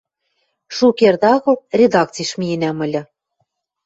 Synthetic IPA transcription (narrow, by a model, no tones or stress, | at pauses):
ʃukerd̪ɑɣɤ̆lrʲed̪ɑk̚t͡sijʃmiĕnæmɤ̆lʲɤ̆